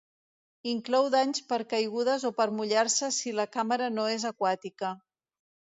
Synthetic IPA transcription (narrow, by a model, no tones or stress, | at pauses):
iŋklɔwðaɲspəɾkəjɣuð̞əzopəɾmuʎaɾsəsiləkaməɾənoezəkwat̪ikə